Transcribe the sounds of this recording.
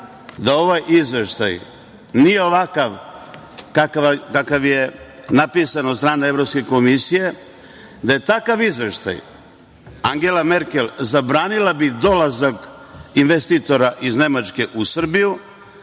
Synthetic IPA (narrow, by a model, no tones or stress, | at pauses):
d̪ao̞ʋajʔizʋe̞ʃt̪a̰j | nije̞o̞ʋakaʋ | kakakakaʋje̞napiːsanot̪st̪ɾaːneevɾo̞pskeko̞misije̞ | d̪aje̞t̪akaʋizʋe̞ʃt̪a̰j | aŋɡe̞lame̞ɾke̞lzabɾaːnilabid̪o̞lazak | inʋe̞st̪it̪o̞ɾaʔizne̞mat͡ʃke̞ʔusr̩biju